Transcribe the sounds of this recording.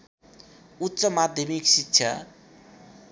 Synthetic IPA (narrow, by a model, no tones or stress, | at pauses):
utːsʌmad̪ʱjʌmiksikɕʰja